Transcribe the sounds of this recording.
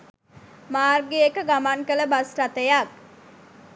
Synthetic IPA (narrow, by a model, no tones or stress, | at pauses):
maːrɡeekəɡamaŋkələbasʈat̪əjak̚